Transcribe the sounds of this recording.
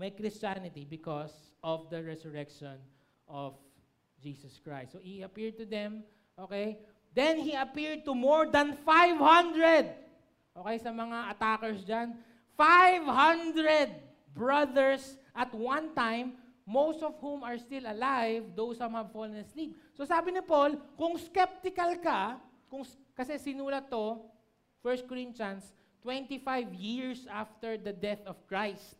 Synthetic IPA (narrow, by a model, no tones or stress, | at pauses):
mɐjkɾɪst͡ʃanɪt̪ibɪkɔsʔɔvd̪ɐɹɛsʊɹɛkʃɔ̃n | ʔɔv | d͡ʒisɐskɹa̰jst̪sohiɐpiɹd̪̚t̪ʊd̪ɛ̃m | ʔoːkej | d̪ɛ̃nhiɐpiɹd̪̚t̪ʊmɔɹd̪ɐ̃nfajvhʌ̃nd̪ɹɛd̪̚ | ʔokɛjsɐmɐŋaʔɐt̪akɛɹsd͡ʒan | fajvhʌ̃nd̪ɹɛd̪̚ | bɹɐðɛɹsʔɐt̪̚wɐ̃nt̪ãjmː | owst̪ɔvhumɐɹst̪ɪlɐlajvd̪owshumhɐvfɔlɐ̃nɐslip̚sosaːbɪnɪpolkʊŋskɛp̚t̪ɪkɐlka | kʊŋkɐsɛsɪnuːlɐt̪ːo | fɛɹst̪̚kɔɹɪ̃nt͡ʃɐns | t̪wɛ̃nt̪ifajvjiɹsʔaft̪ɛɹd̪ɐd̪ɛθɔv̥kɹajst̪̚